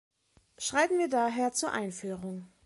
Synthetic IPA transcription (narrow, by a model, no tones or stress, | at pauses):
ʃʁ̥aɪtn̩viːɐdaːɦeːɐt͡suːɐʔaɪnfyːʁʊŋ